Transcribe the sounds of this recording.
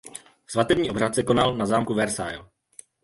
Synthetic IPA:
svat̪ɛvɲiːo̞brat̪sɛko̞nalnazaːmkuvɛɾsa̰jl

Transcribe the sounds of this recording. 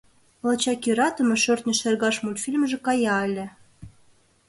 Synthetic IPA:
lɑt͡ɕɑkiɾɑt̪ə̆mĕʃørt̪nʲə̆ʃerɣɑʃmulʲfʲilʲmʒĕkɑjɑelʲĕ

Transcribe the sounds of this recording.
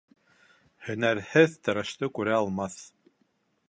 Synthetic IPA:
hɵ̆næɾhɘðt̪ɤ̆ɾɤ̆ʃt̪ɤkʉɾæɑlˠmɑθ

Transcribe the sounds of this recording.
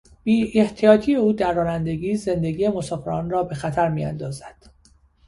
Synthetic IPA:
b̥iːeht̪ʰijɒːt̪ʰije̞uːd̪æɾːɒːnænd̪e̞ɡiːze̞nd̪eɡiːje̞mosɒːfe̞ɾɒːnrɒːbe̞xæt̪ʰæɾmiːæ̰nd̪ɒːzæd̪̥

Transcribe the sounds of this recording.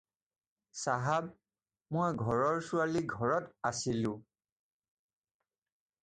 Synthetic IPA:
saɦab̚ | mojɡʱɔɹɔɹsualiɡʱɔɹɔtasilʊ̃

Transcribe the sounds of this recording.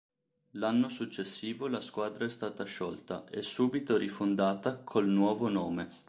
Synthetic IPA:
lanːosut͡ʃːesːiːvolaskwaːd̪ɾaɛst̪aːt̪aʃɔlt̪a̰ʔɛsːuːbit̪oɾifond̪aːt̪akʰolnwɔːvonoːme

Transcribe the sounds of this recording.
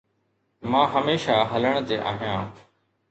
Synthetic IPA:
mãːɦəmeːʃaːɦələɳ̃t̪eːʔa̰ːɦijãː

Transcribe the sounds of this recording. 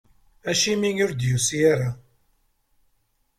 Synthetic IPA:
æʃiminʊɾd̪jusijæɾa

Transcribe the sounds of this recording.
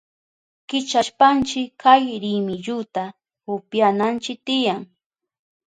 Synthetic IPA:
kɪt͡ʃaʃpant͡ʃɪkajɾɪmɪʎʊt̪a | ʊpjanant͡ʃɪk̚t̪ɪjaŋ

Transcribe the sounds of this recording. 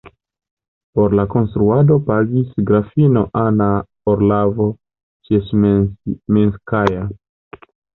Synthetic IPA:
po̞ɾlako̞nst̪ɾuado̞paɡisɡɾafino̞ʔana | oɾlavo | t͡ʃes | minskaja

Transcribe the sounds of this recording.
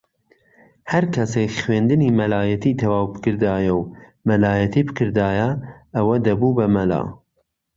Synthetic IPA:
hɐɾkʰɐsekχweːnd̪ɨnimɐlaːjɐt̪ʰit̪ʰɐwaːwbɨkɨɾd̪aːjɐw | mɐlaːjɐt̪ʰiːbɨkʰɨɾd̪aːjɐʔɐwɐd̪ɐbubɐmɐla̰ː

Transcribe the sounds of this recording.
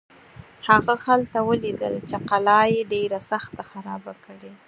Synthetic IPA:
haɣahalt̪awəlid̪ə̰lt͡ʃeqalɑjeɖeɾasaxt̪axaɾɑbakəɽe

